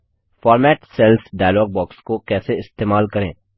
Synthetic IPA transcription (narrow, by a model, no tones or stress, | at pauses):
fɔːɾmɛːʈsɛlsɖaːjlɔːɡ̚bɔːkskokɛːseɪst̪eːmaːlkɐɾẽː